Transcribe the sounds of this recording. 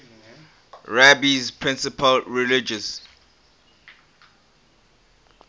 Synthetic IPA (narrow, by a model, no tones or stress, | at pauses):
ɹabizpʰɹɪ̃nsəpʰəlɹilɪd͡ʒəs